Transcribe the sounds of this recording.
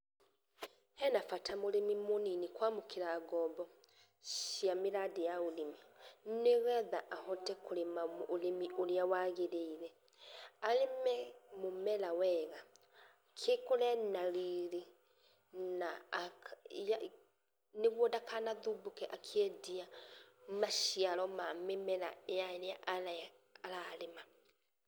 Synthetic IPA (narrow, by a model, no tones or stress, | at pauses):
hɛnafatamoɾemimoninikwamokiɾaːɡɔːbɔ | ʃjamiɾadijaolemineɣɛðaʔahɔtɛkuɾemaolemioɾiawaɣeɾeiɾɛ | alemɛmomɛlawɛɣa | kʰekolɛnaɾiːɾe | nakja | neβwɔdakanaðubokɛʔakʰiɛdia | maʃialɔmamemɛla̰ejaeɾeaʔalaːlalema